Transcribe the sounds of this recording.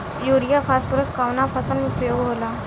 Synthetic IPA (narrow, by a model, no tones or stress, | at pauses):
juɾijafasfuɾəskaʋnafʰasənmiupjoɡɦola